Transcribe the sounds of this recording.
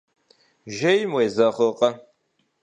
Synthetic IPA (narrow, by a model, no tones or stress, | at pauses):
ʒejmweːzɐχəqʼɐ